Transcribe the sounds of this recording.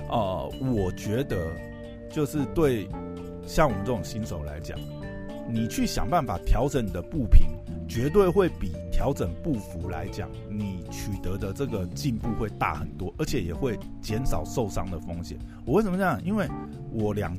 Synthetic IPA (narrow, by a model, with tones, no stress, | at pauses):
ʔə˧wɔ˨˩t͡ɕɥɛ˧˥d̪ə˧ | t͡ɕjo˥˧ʊʂɻ̩˥˧t̪we˥˧ɪ | ɕjɑ˥˩ŋwɔ˨˩mə˦ʈ͡ʂə˥˩ʊ˨˩ŋɕi˦˥nʂo˨˩ʊla̰˧˥ɪt͡ɕjɑ̰˨˩˦ŋ | ni˨˩t͡ɕʰy˥˩ɕjɑ̰˨˩ŋpa˥˩nfa̰˨˩t̪ʰjɑ˧˥ʊʈ͡ʂə˨˦ni˨˩d̪ə˦pu˥˩pʰḭ˨˦n | t͡ɕɥɛ˧˥t̪̬we˥˧ɪxwe˥˩ɪpi˨˩t̪ʰjɑ˧˥ʊʈ͡ʂə˨˩ŋpu˥˩fu˨˥˦la̰˧˦ɪt͡ɕjɑ̰˨˩˦ŋni˨˩t͡ɕʰy˨˩t̪ə˧˦d̪ə˧ʈ͡ʂɤ˥˩ɡə˨t͡ɕi˥˧npu˥˧xwe˥˧ɪt̪a̰˥˩xə˨˩nt̪wɔ˥ʔə˞˧˥t͡ɕʰɛ˨˩jɛ˨˩xwe˥˩ɪ | t͡ɕjɛ˨˦nʂɑ˨˩ʊʂo˥˨˩ʊʂɑ̰˥ŋd̪ə˨fo˥ŋɕjɛ̰˨˦n | wɔ˨˦we˥ɪsə˨məə˧jɑ˥˨ŋi˦˥nwe˥˩ɪ | wɔ˨˩ljɑ̰˨˩ŋ